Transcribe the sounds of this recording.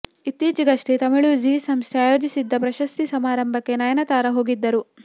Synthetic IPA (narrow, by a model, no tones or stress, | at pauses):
it̪ːiːt͡ʃiɡɐʂʈet̪ɐmɐɭud͡ʒiːsɐmst̪ʰaːjo̞ːd͡ʒisid̪ːɐpɾɐʃɐst̪isɐmaːɾɐmbʱɐkːe̞nɐjɐnɐt̪aːɾɐɦo̞ːɡid̪ːɐɾu